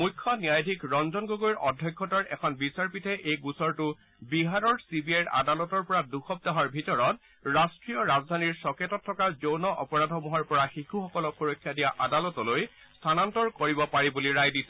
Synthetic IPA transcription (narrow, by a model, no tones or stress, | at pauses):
mujkʰːɔnijajdʱikɹɔnzɔnɡoɡoiɹʔɔdʱːjɔkʰːɔtɔɹʔɛ̰kʰɔnbisaɹpitʰɛʔejɡusɔɹtʊ | biɦaɹɔɹsibiajɹa̰dalɔtɔɹpɔɹaduxɔp̚daɦɔɹbʱitɔɹɔt | ɹastɹiɔɹazdʱaniɹsɔketɔtʰːɔkazownɔʔɔpɔɹadʱɔmɔɦɔɹpɔɹaxixuxɔkɔlɔpʰoɹɔkʰːjadijaʔadalɔtɔloj | stʰanantɔɹkoɹibɔpaɹibuliɹajdisɛ̥